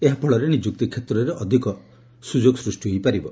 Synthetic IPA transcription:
eɦapʰɔɭɔɾenid͡ʒuk̚t̪ikʰet̪ɾɔɾeʔɔd̪ʱikɔ | sud͡ʒoɡsɾusʈiɦojpaɾibɔ

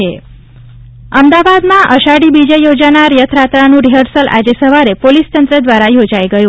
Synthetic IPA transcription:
e | əmd̪aʋad̪mãʔəʃaɽibid͡ʒejod͡ʒanaɾjət̪ʰɾat̪ɾanũɾiɦəɾsəlʔa̰d͡ʒesəʋaɾepolist̪ənt̪ɾəd̪ʋaɾajod͡ʒajɡəjũ

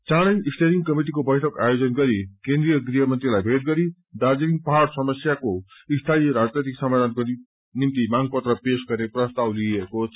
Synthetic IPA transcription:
t͡sãɽʌnisʈeɾiŋkʌmiʈ̬ikobʌjʈʰʌkajod͡zʌnɡʌɾikẽnd̪ɾijʌɡriɦʌmʌnt̪rilajbʱeʈ̚ɡʌɾi | d̪ad͡ziɾiŋɡpʌɦaɽsʌmʌsjakoist̪ʰaiɾad͡znet̪iksʌmad̪ʱanko | nimt̪imaŋɡpʌt̪rʌpesɡʌrneprʌst̪awlieko

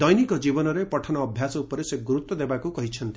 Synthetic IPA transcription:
d̪ɔjnikɔd͡ʒibɔnɔɾepɔʈʰɔnɔːbʱjasɔupɔɾeseɡuɾut̪wɔd̪ebakukɔɦit͡ʃʰɔnt̪i̥

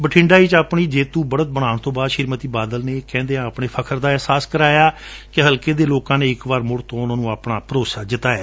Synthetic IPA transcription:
bəʈʰɪ̃ɳɖaːiːt͡ʃaːpɳiːd͡ʒeːt̪ũːbəɽət̪̚bəɽ̃aːɳt̪õːbaːd̪ʃɪɾmət̪iːbaːd̪əlneːkɛ̃ːnd̪eːãːpɳeːpʰəkʰəɾd̪aːɛɦsaːskəɾaːjaːkɪɦəlkeːd̪eːloːkãːneːɪkʋaːɾmʊɽt̪õːʊnãːnũːaːpɳaːpəɾoːsaːd͡ʒɪt̪aːɛː

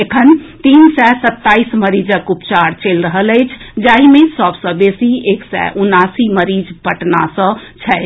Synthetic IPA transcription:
ekʰənt̪insɛsət̪ːaisməɾid͡ʒəkupt͡ʃaɾt͡ʃelɾəɦələɪt͡ʃʰd͡ʒaɦimesəbsə̃besieksɛ̰ʔunasiməɾid͡ʒpəʈnasə̃t͡ʃʰɛɪ

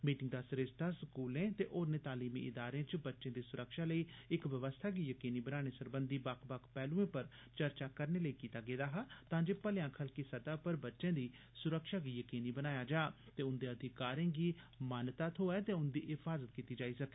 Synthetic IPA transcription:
miːʈɪŋɡd̪aːsɾeːst̪ʰaːsəkuːlẽːt̪eːʔoːɾnẽːt̪aːliːmḭʔɪd̪aːɾẽːt͡ʃbətːʃẽːd̪iːsʊɾəkʃaːləiːɪkʋəʋəst̪ʰaːɡiːjəkiːniːbənaːɽ̃eːsəɾbənd̪iːbakʰbakʰpɛːlũẽːpəɾ | t͡ʃəɾt͡ʃaːkəɾneːləiːkiːt̪aːɡeːd̪aːɦaːt̪ãːd͡ʒeːpəljãːkʰəlkiːsəd̪aːpəɾbətːʃẽːd̪iː | sʊɾəkʃaːɡiːjəkiːniːbənaːjaːd͡ʒaː | t̪eːʊnd̪ẽːəd̪ʱɪkaːɾẽːɡiː | maːnt̪aːt̪ɦoːɛːt̪eːʊnd̪ḭːɪpʰaːzət̪kiːt̪iːd͡ʒaːiːsəkeː

